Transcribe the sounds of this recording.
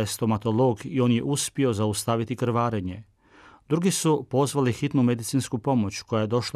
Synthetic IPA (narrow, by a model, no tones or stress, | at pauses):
est̪o̞mat̪o̞lo̞ɡio̞ːnjeʔuspio̞zaust̪aʋit̪ikɾ̩ʋaːɾeɲe̞ | d̪ɾuɡisupo̞zʋalixit̪nume̞d̪it̪sinskupo̞mo̞t͡ɕko̞jaje̞d̪o̞ʃ